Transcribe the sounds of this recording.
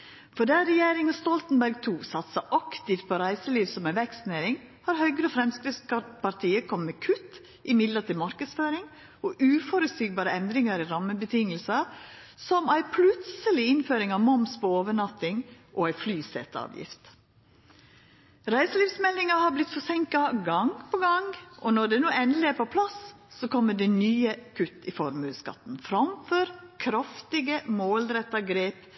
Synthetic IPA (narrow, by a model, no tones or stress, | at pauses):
fɔɖææɾɛjeːɾɪŋənst̪ɔlt̪n̩bæɾɡt̪ʰuːsɑt̪sɑʔɑkt̪ɪft̪̚pʰɔɾæɪsəliːʋsɔmæɪʋɛkst̪neːɾɪŋ | hɑːɾhœʏɡɾəɔfɾɛmskɾɪspɑɾt̪ʰiːəkʰɔmmekʰʉt̪ | ʔɪmɪd̪lət̪ɪlmɑɾkəd̪sføːɾɪŋ | ɔʔʉːfɔɾʉsyːɡ̚bɑːɾəɛnd̪ɾɪŋəɾiɾɑməbət̪ʰɪŋəlsə | sɔmæɪpʰlʉt̪səlɪɪnføːɾɪŋɑʋmɔmspɔoːʋəɳɑt̪ːɪŋʔɔæɪflyːsɛ̰t̪ːɑ̰ːʋjɪ̰ft̪ | ɾæɪsəliːfsmɛlːɪŋɑhɑblɪt̪fɔsɛŋkɑɡɑŋpʰɔɡɑŋʔɔnɔɖ̪ɛnuːɛnd̪lɪæːɾpʰɔpʰlɑsː | ɔkʰɔmːəɖɛnyːəkʰʉt̪ːɪfɔɾmʉːskɑ̰t̪n̩fɾɑmfɔɾkʰɾɑft̪ɪɡəmoːlɾɛt̪ːɑɡɾeːp